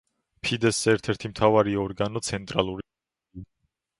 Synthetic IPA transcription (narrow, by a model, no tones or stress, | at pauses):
pʰid̪ɛsːɛɾt̪ʰɛɾt̪ʰimt̪ʰavaɾiɔɾɡanɔt̪sʰɛnt̪ʼɾalˠuɾ